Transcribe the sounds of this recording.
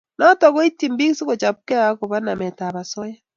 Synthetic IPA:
nɔ˦tɔ˨ɣo˦i˦ti˨mbi˦ki˦so˦ɣo˨t͡ʃa˨βu˦kɛ˦a˦ko˨βa˦na˨mɛ˨ta˨βa˨sɔ˦ja˦

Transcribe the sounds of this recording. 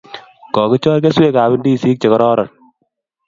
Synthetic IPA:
kɔ˨ke˦t͡ʃɔː˦ɾke˦swe˦˨ka˨βɪ˦ndi˦˨si˦k̚t͡ʃe˨kɔ˦ɾɔː˦ɾɔ˨n̚

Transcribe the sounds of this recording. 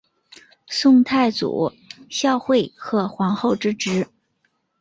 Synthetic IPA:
sʊ˥˧ŋt̪ʰa˥˩ɪt͡sṵ˨˩˦ | ɕjɑ˥˧ʊxwe˥˩ɪxɤ˧˥xwɑ˧˥ŋxo˥˧ʊʈ͡ʂɻ̩˥ʈ͡ʂɻ̩˧˥

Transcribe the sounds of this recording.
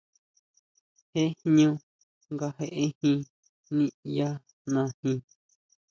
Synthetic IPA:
he˦hɲũ˦˧ | ŋɡa˧ɦe˧ʔe˦hĩ˧ | nĩ˦ja˦ | nã˧hĩ˧

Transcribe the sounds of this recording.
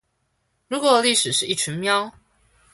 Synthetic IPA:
ɻu˧˦˥kwɔ˨˩li˥˩ʂɻ̩˨˩ʂɻ̩˥˧i˥˩ʈ͡ʂʰi˧˥nmjɑ˥ʊ

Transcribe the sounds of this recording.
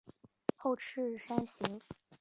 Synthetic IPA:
xo˥˧ʊʈ͡ʂ̩ʰ˥ʂa˥nɕi˧˥ŋ

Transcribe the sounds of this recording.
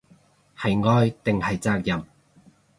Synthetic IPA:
hɐ˨jŋɔː˧jt̪ɪ˨ŋhɐ˨jt͡saː˧k̚jɐ˨m

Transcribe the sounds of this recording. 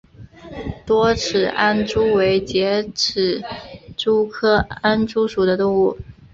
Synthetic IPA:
t̪wɔ˥ʈ͡ʂʰɻ̩˨˩ʔa˥nʈ͡ʂu˥we˧˥ɪt͡ɕjɛ˧˥ʈ͡ʂ̩ʰ˨˩ʈ͡ʂu˥kʰɤ˥a˥nʈ͡ʂu˥ʂu˨˩d̪ə˦t̪ʊ˥˧ŋu˥˩

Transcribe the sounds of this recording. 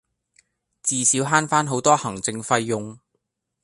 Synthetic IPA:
t͡siː˨siː˨˥wɦaː˥nfaː˥nɦo˨˥wt̪ɔː˥hɐ˨˩ŋt͡sɪ˧ŋfɐ˧jːʊ˨ŋ

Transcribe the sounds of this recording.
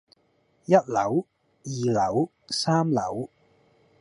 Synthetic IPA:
jɐ˥t̚lɐ˨˥w | jiː˨lɐ˨˩˥w | saː˥mlɐ˨˩˥w

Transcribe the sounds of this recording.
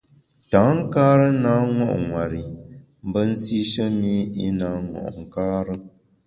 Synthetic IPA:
ta˨˦ŋ̩˦kaː˦ɾə˦naː˦ŋɔ̰˦ʔŋwa˨ɾi˨ | m̩˦bə˦n̩˦si˦ʃə˦mi˦i˦na˨˦ŋɔ̰˨ʔŋ̩˨kaː˦ɾə˦

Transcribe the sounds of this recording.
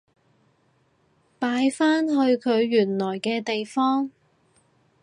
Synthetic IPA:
paː˨˧jfaː˥nɦɵ˧ɥkʰɵ˨˧ɥːyː˨˩nlɔː˨˩jkɛː˧t̪e˨jfɔː˥ŋ

